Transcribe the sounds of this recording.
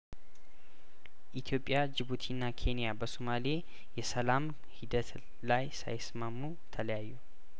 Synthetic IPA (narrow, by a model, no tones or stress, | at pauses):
ʔit̪ʰijo̞pʼːjad͡ʒɨβut̪ʰinːakʰe̞nijabəsomale | jɛsəlam | hid̪ət̪ | lajsa̰jsmamːu | t̪ʰələjajːu